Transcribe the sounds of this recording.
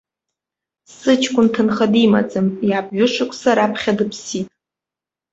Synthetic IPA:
sɨt͡ʃʰkʷʼʊntʰɨnχadima̰d͡zʼɨmjabʼɥʊʂɨkʷʰʼsaɾapʰχʲadɨpʰsitʼ

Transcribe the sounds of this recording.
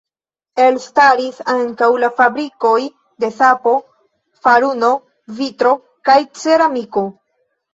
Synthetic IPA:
e̞lstaɾisaŋkawlafabɾiko̞j | de̞sapo̞ | faɾuno̞ | vitɾo̞ | kajt͡seɾamiko

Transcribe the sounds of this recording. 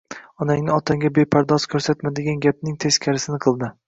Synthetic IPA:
ɒnaŋnɪɒt̪ʰaŋɡʲabepʰaɾd̪ɒzkʲʰɵɾsat̪mad̪ɪɡʲanɡʲapnɪŋt̪ʰeskʲʰaɾɪsɪnɪqʰɨlˠd̪ɪ

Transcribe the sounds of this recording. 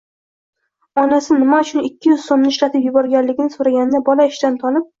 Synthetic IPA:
ɒnasɪnɪmaʊt͡ʃʰʊnɪkʲʰːɪjʏz̥somnɪɪʃlat̪ʰɪpjʊbɒɾɡʲanlɪɡʲɪnɪsoɾaɡʲanɪd̪abɒlaɪʃt̪ant̪ʰɒlɪp̚

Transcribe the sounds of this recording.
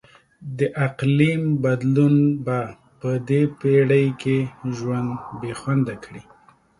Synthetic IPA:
d̪əʔaqlimbad̪lunba | pəd̪epeɽəjkʰeʒwand̪bexwand̪akɽi

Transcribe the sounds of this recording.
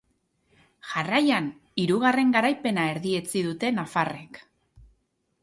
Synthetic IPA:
ʝarajan | iɾuɣ̞are̞ŋɡaɾajpe̞nae̞ɾðie̞t͡sið̞ut̪e̞nafare̞k

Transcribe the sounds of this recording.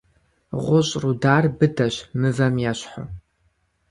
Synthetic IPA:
ʁʷʊɕʼrudaːrbɨdɐɕmɨvɐmjaːɕħʊ̰

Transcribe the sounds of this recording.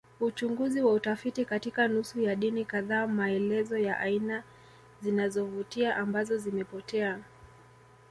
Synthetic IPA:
ut͡ʃuŋɡuziwautafitikatikanusujaɗinikaðaːmaɛlɛzɔjaʔaina | zinazɔvutiaʔambazɔzimɛpɔtɛa

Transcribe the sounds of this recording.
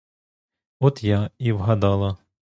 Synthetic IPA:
ɔt̪jaiwɦɐd̪ɑlˠɐ

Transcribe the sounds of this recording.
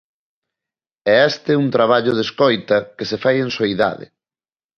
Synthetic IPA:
ɛɛst̪ɪunt̪ɾaβ̞aʎʊðeskojt̪ɐkesefajẽŋsoiða̰ðɪ̰

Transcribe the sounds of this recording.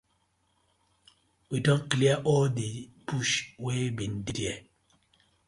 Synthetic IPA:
widɔŋkliaʔɔdipuʃwebindidiɛ

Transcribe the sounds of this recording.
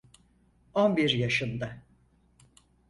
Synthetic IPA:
onbiɾjaʃɯnd̪a

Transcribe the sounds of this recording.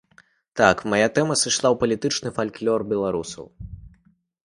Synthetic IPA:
t̪akmajat̪ɛmɐsɨʂlˠawpɐlʲit̪ɨt͡ʂnɨfalʲklʲɔrbʲɛlˠaɾusɐ̰w

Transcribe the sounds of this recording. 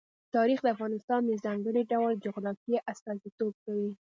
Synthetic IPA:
t̪ɑɾixd̪əafɣɑnɪst̪ɑnd̪əzaŋɡəɽiɖawld͡ʒʊɣɾɑkjeʔast̪ɑzit̪ob̚kawi

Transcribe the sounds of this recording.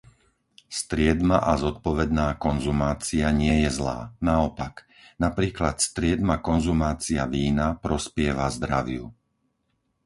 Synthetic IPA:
st̪ɾɪɛd̪maʔazɔt̪̚pɔʋɛd̪naːkɔnzumaːt͡siaɲɪɛjɛzla̰ːnaɔpak | napɾiːklat̪st̪ɾɪɛd̪makɔnzumaːt͡siaʋiːnapɾɔspɪɛʋazd̪ɾaʋɪu

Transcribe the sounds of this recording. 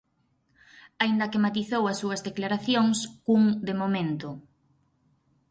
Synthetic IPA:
aind̪ɐkemat̪iθowɐsːuɐzðeklaɾaθjoŋskuŋd̪emomẽnt̪ʊ

